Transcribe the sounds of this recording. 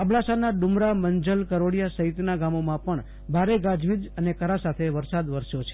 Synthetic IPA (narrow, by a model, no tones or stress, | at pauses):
əbɭasanaɖumɾaməɲd͡ʒəlkəɾoɽjasəɦit̪naɡamomãpəɳ | bʱaɾeɡad͡ʒʋid̪ənekəɾasat̪ʰeʋəɾsad̪ʋəɾsjot͡ʃʰe̥